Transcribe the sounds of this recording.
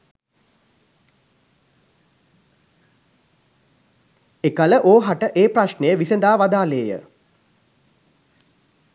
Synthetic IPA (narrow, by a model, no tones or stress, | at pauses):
ekaləʔoːɦaʈəʔeːpɾaʃnejəʋisend̪aːʋad̪aːleːjə̰